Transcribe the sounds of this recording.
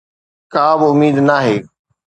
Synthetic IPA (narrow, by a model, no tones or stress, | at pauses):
kaːbɪʊmiːd̪naːɦeː